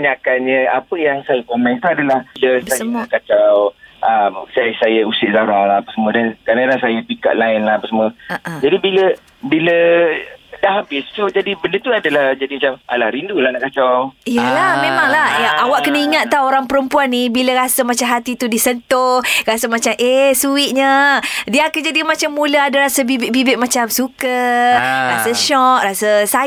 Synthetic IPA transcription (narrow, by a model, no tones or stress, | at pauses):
aɲakanɲə̃apəjaŋsajakomɛ̃nt̪uadalahiləsajnakat͡ʃawʔəmsasajəusɪʔzaɾalaapasəmuədankadadasajəpika̰ʔlaɪnlaapasəmuəd͡ʒadibilə | bilə | daʔɦabɪssod͡ʒadibəndət̪uadəlahd͡ʒadimat͡ʃama̰la̰hɾindulanaʔkat͡ʃɔijəlahmemaŋlahawaʔkənəiŋat̪̚ːawoɾaŋpəɾəmpuanːibiləɾasamat͡ʃamɦat̪it̪udisənt̪orasamat͡ʃamʔesuɪt̪̚ɲədiəakad͡ʒadimat͡ʃamːuləadaɾasəbibɪʔbibɪʔ̚mat͡ʃamsukə | rasəʃɔʔ̚rasəsa